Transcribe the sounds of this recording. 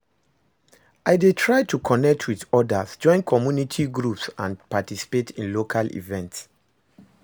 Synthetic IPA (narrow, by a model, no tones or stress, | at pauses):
ʔaɪdetʰɹaɪtʰukʰɔnɛk̚tʰwiðɔdazd͡ʒɔ̃ɪ̃nkʰɔmjunitʰiɡɹupsãnpatisi̥petʰĩnlokʰalḭvɛ̃nts